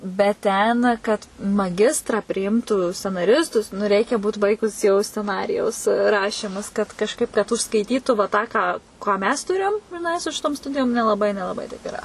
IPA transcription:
bʲɛt ˈtʲɛn kɐt mɐˈɡʲɪstrɐ pʲrʲɪˈɪmtuː sʲt͡sʲɛnɐˈrʲɪstʊs nʊ ˈrʲɛɪkʲɛ ˈbuːt ˈbɐɪɡʊs jɛʊ sʲt͡sʲɛˈnɑːrʲɪjɛʊs ˈrɑːʃʲiːmʊs kɐt kɐʃˈkɐɪp kɐt ʊʃskɐɪˈtʲiːtʊ ʋɐ ˈtɑː ˈkɑː kɑː ˈmʲɛs ˈtʊrʲeːjoːm ɡrʲɪˈnɐɪ sʊ ˈʃʲɪtoːm ˈstʊdʲɪjoːm nʲɛlˠɐˈbɐɪ nʲɛlˠɐˈbɐɪ tɐɪp ɪˈrɐ

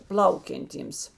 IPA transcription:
ˈplˠɐʊkʲɛnʲˌtʲiːms

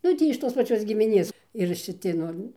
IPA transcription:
ˈnʊ ˈtʲiː ɪʃ ˈtoːs pɐˈt͡ʃʲoːs ɡʲɪmʲɪˈnʲeːs ɪr ʃʲɪˈtʲɪ ˈnʊ

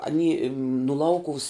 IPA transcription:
ɐˈnʲiː nʊ ˈlˠɐʊkʊʋʊs

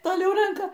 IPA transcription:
toːˈlʲɛʊ ˈrʲɛŋkɐ

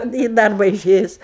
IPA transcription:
iː ˈdɐrbɐ ɪˈʃʲeːjʊs

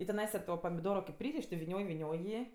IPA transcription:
ɪ tʲɪˈnɐɪsɐ toː pɐmʲɪˈdoːroː kʲeːp ˈpʲrʲiːrʲɪʃʲ tʲɪ ʋʲɪˈnʲoːj ʋʲɪˈnʲoːj ˈjiː

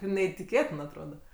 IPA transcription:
nʲɛɪtʲɪˈkʲeːtʲɪn ɐtˈroːdɐ

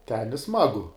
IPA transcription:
tʲɛn ɪ ˈsmɑːɡʊ

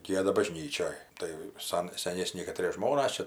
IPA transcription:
ˈɡʲiɛdɐ bɐˈʒʲnʲiːt͡ʃʲoːj tɐɪ ˈsɐn sʲɛˈnʲeːsʲnʲɪ kɐˈtʲrʲiɛ ˈʒmoːnɐs ˈt͡ʃʲɛ

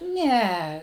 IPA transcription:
ˈnʲɛ

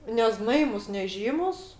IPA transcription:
nʲɛˈznɐɪmʊs nʲɛˈʒʲiːmʊs

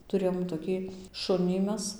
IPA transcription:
tʊˈrʲeːjoːm toːˈkʲiː ˈʃʊnʲiː ˈmʲɛs

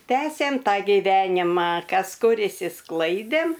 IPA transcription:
ˈtʲæːsʲeːm ˈtɑː ɡʲɪˈʋʲæːnʲɪmɐ ˈkɐs ˈkʊr ɪʃʲsʲɪˈsklˠɐɪdʲeːm

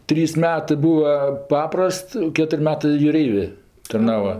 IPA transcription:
ˈtʲrʲiːs ˈmʲæːtɜ ˈbuːʋɐ ˈpɑːprɐst ˈkʲæːtʊrʲɪ ˈmʲæːtɜ jʊˈrʲɛɪʋʲeː tɐrˈnɑːʋoː

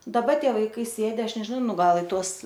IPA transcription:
dɐˈbɐ ˈtʲiɛ ʋɐɪˈkɐɪ ˈsʲeːdʲɪ ˈɐʃ nʲɛʒʲɪˈnɐʊ ˈnʊ ˈɡɐlˠ ɪ ˈtuɔs

